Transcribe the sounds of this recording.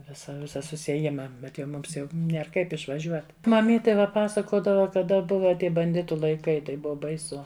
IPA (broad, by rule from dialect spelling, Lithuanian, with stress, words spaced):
ˈʋʲɪsɐ ˈʋʲɪsɐ sʊsʲiɛˈjɪmɐ ˈbʲɛt jɛʊ ˈmʊms jɛʊ nʲˈiɛr ˈkɐɪp ɪʃʋɐˈʒʲuɔt mɐˈmʲiːtʲeː ˈʋɐ ˈpɑːsɐkoːdɐʋɐ kɐˈdɐ ˈbʊʋɐ ˈtʲiɛ bɐnʲˈdʲɪtʊ lˠɐɪˈkɐɪ tɐɪ ˈbʊʋɐ bɐɪˈsʊ